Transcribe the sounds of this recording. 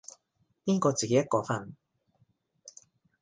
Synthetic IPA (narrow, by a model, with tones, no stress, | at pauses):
piː˥kɔː˧t͡siː˨ke˨˦jɐ˥t̚kɔː˧fɐ˧n